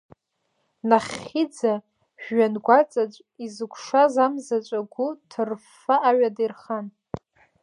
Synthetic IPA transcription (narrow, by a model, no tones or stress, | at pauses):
naχid͡za | ħɥanɡʷat͡sʼat͡ʃʷʼizɨkʷʰʂazamzat͡ʃʷʼaɡʷʊtʰɨrf | aʔaɥadirχan